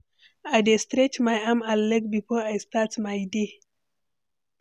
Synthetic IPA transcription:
adestɾet͡ʃmajamalːɛɡbipoajst̪atmajde

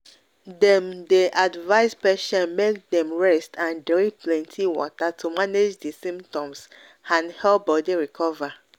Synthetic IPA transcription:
dɛ̃mdeʔadvaɪspɛʃɛ̃nmek̚dɛ̃mɹɛstʰãndɹiplɛ̃ntʰiwɔ̰tatʰumaned͡ʒdesĩmp̚tɔ̃ms | ãnhɛlbɔdiɹikʰɔva

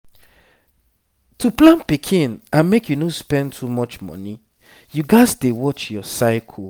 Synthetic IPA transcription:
tʰuplãnpikʰĩnãnmekʰjunospɛ̃ntʰumɔt͡ʃmɔ̰ni | juɡaɪzdewɔt͡ʃjɔsaɪkʰ

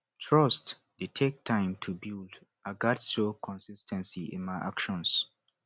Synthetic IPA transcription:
tʰɹɔst | detʰek̚tʰãɪ̃mtʰubild | ʔaɡatsokʰɔ̃nsistʰɛ̃nsiɪ̰̃nmaɪʔa̰kʃɔ̃ns

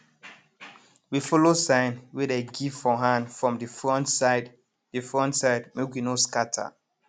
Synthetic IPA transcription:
wifɔlosãɪnwɛdeɡivfɔɦãndfɹɔ̃mdifɹɔ̃ntsaɪd | difɹɔ̃ntsaɪdmekwinoskatʰa̰

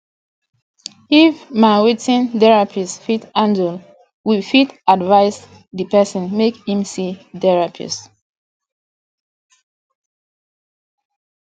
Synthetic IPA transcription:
ifmaɹitĩndɛɹapʰisfitãndəl | wilfitadvaɪs | dipɛsə̃nmekhĩmsidɛɹapʰḭs

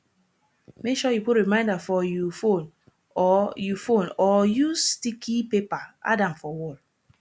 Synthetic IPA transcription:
mekʃɔjuputɹimãɪ̃ndafɔjufon | ɔjufonɔjustikʰipepaa̰dãmfɔwɔl

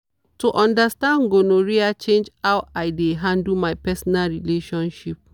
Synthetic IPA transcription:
tuʔɔ̃ndastãndɡonoɹiat͡ʃẽnd͡ʒhawajdeɦãndumajpɛsɔnalɹileʃɔ̃nʃip̚

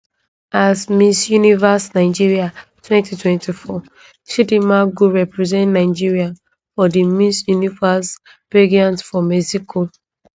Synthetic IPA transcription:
asmisjunivasnaɪd͡ʒiɹiatʰwɛ̃ntitʰwɛ̃ntʰifɔ | ʃidimaɡuɹɛpɹizɛ̃ntnaɪd͡ʒiɹiãn | fɔdimisjunivas | peɡiãntfɔmɛsikʰo

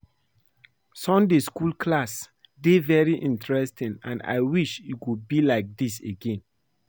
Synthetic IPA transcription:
sɔ̃ndeskulkʰlas | devɛɹiʔĩntɹɛstĩnã̰na̰ɪwiʃiwud̚bilaɪk̚diseɡẽn

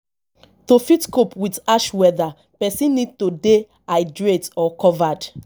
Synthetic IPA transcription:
tofitkopwidaʃwɛða | pɛsĩnːid̚tode | aɪdɹetɔkɔvad

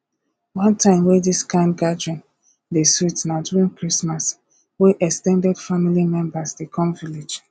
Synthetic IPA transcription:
wãntʰãɪ̃mwɛdiskãɪ̃ndɡad͡ʒɔ̃n | desutnaduĩŋkɹismas | weʔɛkstɛ̃ndɛd̥familimɛ̃mbasdekʰɔ̃mvilid͡ʒ

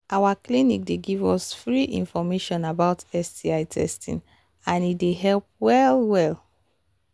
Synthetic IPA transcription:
ʔawaklinḭk̚deɡivɔsfɹiʔḭ̃nfɔmeʃɔ̃nabaʊtɛstiaɪtʰɛ̰stʰḭ̃n | ãnitdeɦɛlp̚wɛlwɛl

